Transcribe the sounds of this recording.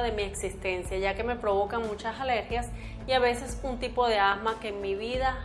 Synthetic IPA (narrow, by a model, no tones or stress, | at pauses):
ðemieksist̪ensjaʝakemepɾoβokaŋmut͡ʃasaleɾxjas | iaβese̞sunt̪ipoðeasmakeːŋmiβiða